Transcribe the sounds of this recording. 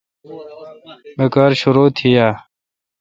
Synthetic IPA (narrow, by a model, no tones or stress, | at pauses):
mekaːɾɕuɾoːt̪ʰijaː